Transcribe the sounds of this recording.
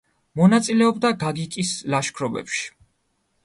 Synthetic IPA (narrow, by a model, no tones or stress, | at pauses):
mɔnat̪sʼilɛɔbd̪aɡaɡikʼislaʃkʰɾɔbɛ̰pʃi̥